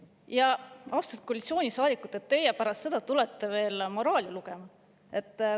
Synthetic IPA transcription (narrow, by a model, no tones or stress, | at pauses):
jɑɑwst̪ult̪̚kolʲit̪sʲio̞ːnʲisɑːd̪ikˑut̪ːˑe̞t̪ːe̞jepæɾɑst̪se̞d̪̥ɑt̪ule̞t̪ːe̞ve̞ːlmo̞ɾɑːlʲiluɡe̞mɑ | e̞t̪ː